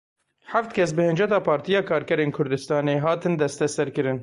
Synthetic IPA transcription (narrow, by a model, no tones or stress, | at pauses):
ħaft̪kʰʲɛs̬bɨhɨnd͡ʒɛt̪ɑːpʰɑːɾt̪ijɑːkʰɑːɾkɛɾeːnkʰʊɾd̪ɨst̪ɑːneːɦɑːt̪ɨnd̪ɛst̪ɛsɛɾkɨɾɨn